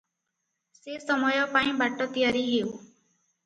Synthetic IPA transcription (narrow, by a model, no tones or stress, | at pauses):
sesɔmɔjɔpaĩbaʈːɔt̪ijaɾiɦew